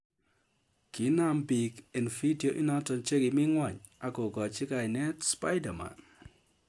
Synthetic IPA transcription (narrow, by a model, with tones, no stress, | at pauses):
ki˨˦na˦mbi˨ke˨nfi˦di˨o˨ʔi˦nɔ˦tɔ˨nt͡ʃe˦ki˨mi˦ŋwa˨ɲ | a˨ko˨kɔ˨t͡ʃi˦ka˨jnɛ˦tspa˦jda˨ma̰˨n